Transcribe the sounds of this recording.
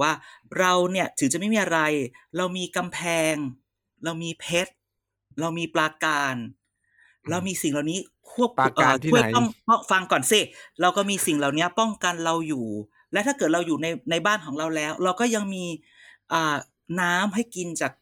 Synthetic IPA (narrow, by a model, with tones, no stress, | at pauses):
waː˥˩ɾa˧wni˥˩ɐt̪ʰɯ˩˦ŋt͡ɕa˨˩ʔma˥˩jmiː˧ʔa˧ɾa˧jɾa˧wmiː˧ka˧mpʰɛː˧ŋ | ɾa˧wmiː˧pʰe˦˥t̪̚ | ɾa˧wmiː˧plaː˧kaː˧n | ɾa˧wmiː˧si˨˩ŋlaː˨˩wniː˦˥ | kʰu˥˩əp̚ːʔːʰɔ˥˩ŋɔ˥˩ŋfa˧ŋkɔː˨˩nsi˧˩ɾa˧wkɔː˥˩miː˧si˨˩ŋlaː˨˩wni˦˥ɐpɔ˥˩ŋka˧nɾa˧wjuː˨˩ | lɛ˦˥t̪ʰaː˥˩kɤː˨˩t̪̚ɾa˧wjuː˨˩na˧jna˧jbaː˥˩nkʰɔː˩˦ŋɾa˧wlɛː˦˥wɾa˧wkɔː˥˩ja˧ŋmiː˧ | ʔɤː˨˩ | naː˦˥mɦa˥˩jki˧nt͡ɕaː˨˩k̚